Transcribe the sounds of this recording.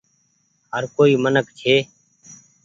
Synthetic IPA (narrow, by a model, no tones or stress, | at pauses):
ɦəɾkoːiːmənəkt͡ʃʰeː